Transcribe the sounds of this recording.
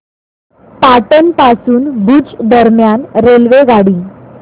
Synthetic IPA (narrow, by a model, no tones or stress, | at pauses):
paʈənpasuːnbʱud͡ʑd̪əɾmjanɾelʋeɡaɽiː